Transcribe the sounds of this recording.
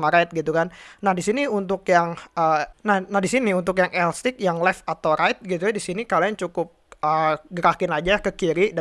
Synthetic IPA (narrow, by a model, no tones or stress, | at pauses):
maɾajt̪̚ɡit̪ukannahdisiniunt̪̬ʊkjaŋənahnahdisiniunt̪̬ʊk̬jaŋʔɛlst̪ɪk̚jaŋlɛfat̪awɾaɪt̪̚ɡit̪ujadisinikaliant͡ʃukʊp̚əɡəɾakɪnad͡ʒakəkiɾid